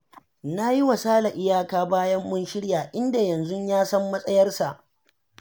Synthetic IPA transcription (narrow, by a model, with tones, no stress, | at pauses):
na˦ji˦wɐ˨saː˦la˨ʔɪ˦jaː˦kaː˦baː˦jɐ˦mːʊ˦nʃɪ˦ɽjaː˨ʔɪ˦nda˨jɐ˨nzʊ˦ɲjaː˦sɐ˦mːɐ˦sʼɐ˦jɐ˦rsa˨ʔ